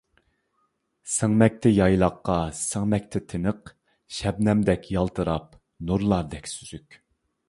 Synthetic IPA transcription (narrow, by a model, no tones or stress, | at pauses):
səŋmɛk̚ʲt̪ʰɛjɑjlˠɑqːɑsəŋmɛk̚ʲt̪ʰɪt̪ʰɪnəq | ʃɛbnɛmd̪ɛkʲʰjɑlˠt̪ʰɨɾɑp̚ | nuɾlˠɑɾd̪ɛkʲsyz̥ykʲ